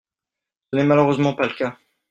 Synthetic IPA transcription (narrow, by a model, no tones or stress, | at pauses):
sənɛmaløʁøzmɑ̃paləkʲa